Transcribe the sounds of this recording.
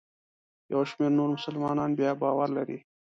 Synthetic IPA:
jawʃmeɾnoɾmʊsəlmɑːnɑːnbjɑbɑːwaɾlaɾḭ

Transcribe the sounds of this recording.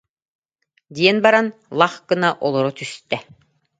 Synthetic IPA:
d̪ʲiɛnbaɾanlˠaχkɯnaʔɔlˠɔɾɔt̪yst̪ɛ

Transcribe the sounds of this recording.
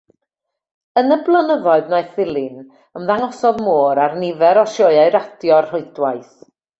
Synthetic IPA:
ənəblˠənəvɔɨðnajθɪlˠɪn | əmðaŋɔsɔðmoːɾarnɪvɛɾɔʃɔɨaɨɾadjɔrr̥ʊɨdwajθ

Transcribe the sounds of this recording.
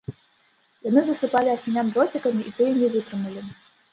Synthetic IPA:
janɨzɐsɨpalʲiɐxʲinʲamdɾɔt͡sʲɐkɐmʲiʔit̪ɨjɛnʲɛvɨt̪ɾɨmulʲi

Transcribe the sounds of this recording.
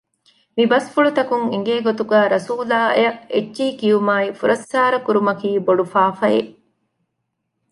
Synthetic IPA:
mibɐsfuɭut̪ɐkuŋiŋ̆ɡeːɡot̪uɡæːɾɐsuːlaːɐ̰jɐʔed͡ʒʒiːkiumaːifuɾʔɐsːaːɾɐkuɾumɐkiːboɖufaːfɐjḛ

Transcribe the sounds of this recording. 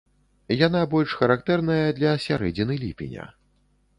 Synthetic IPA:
janabɔlʲʂxɐɾakt̪ɛrnɐjɐd̪lʲɐsʲaɾɛd͡zʲinɨlʲipʲḭnʲɐ̰

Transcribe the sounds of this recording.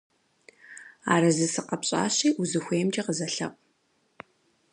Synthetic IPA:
a̰ːɾɐzɨsɨqɐpɕʼa̰ːɕiːʔuzɨxʷeːmt͡ʃʼɐqəzɐɬɐ̰qʷʼ

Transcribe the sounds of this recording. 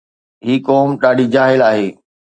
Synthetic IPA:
ɦiːkɔːmɗaːɖid͡ʑaːɦɪlaːɦeː

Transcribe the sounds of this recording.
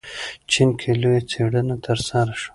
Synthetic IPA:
t͡ʃinkʰelojat͡seɽənat̪ʰəɾsaɾaʃwḁ

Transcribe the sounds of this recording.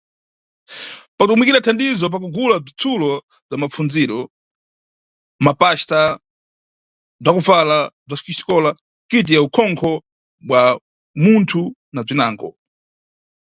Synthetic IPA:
patukumikiɾatʰandizɔp̬ak̬uɡulab͡ʐit͡sʰulɔ | b͡ʐamafund͡ziɾɔ | mapaʃta | b͡ʐakufalab͡ʐasi̥kiʃi̥kɔla | kit̬iaukʰɔŋkʰɔ | ɓwa | muntʰunab͡ʐinaːŋɡɔ̰

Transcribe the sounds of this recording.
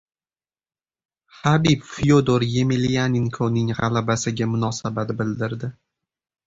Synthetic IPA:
habipfijod̪oɾje̞melijaniŋkʰonɪŋʁɑlabasɪɡʲamʊnɒsabat̪bɪld̪ɪɾd̪ɪ

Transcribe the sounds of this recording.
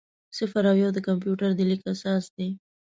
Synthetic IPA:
sɪfaɾawjɑwd̪əkamp̬juʈaɾd̪əlikasɑsd̪e

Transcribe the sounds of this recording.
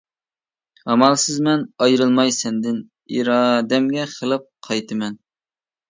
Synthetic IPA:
ɑmɑlˠsɨzmɛnɑjɾɨlˠmɑjsɛnd̪ɪn | ḭɾɑd̪ɛmɡʲɛχʰəlˠɨp̚qʰɑjt̪ɨmɛn

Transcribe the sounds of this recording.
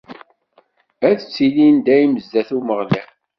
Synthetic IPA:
æðət͡sːilind̪æjiməzːæθuməʁlæ

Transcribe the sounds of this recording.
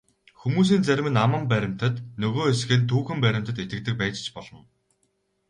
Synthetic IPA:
xumuːs̬iːnt͡sæɾʲmɘ̆namə̆mpæɾʲɪ̆m̥t̪ə̆t̪nɵɣoːesɡɘ̆ːnt̪ʰuːxɘ̆mpæɾʲɪ̆m̥t̪ə̆t̪et̪ɘ̆k̚t̪ɘ̆k̚pæːt͡ɕt͡ɕpɔɮɞ̆n

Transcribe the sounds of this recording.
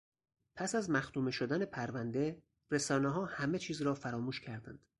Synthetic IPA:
pʰæsæzmæxt̪uːme̞ʃod̪ænepʰæɾvænd̪e̞ | ɾesɒːneɦɒːhæme̞t͡ʃʰiːzɾɒːfæɾɒːmuːʃcʰæɾd̪æ̰nd̪̥

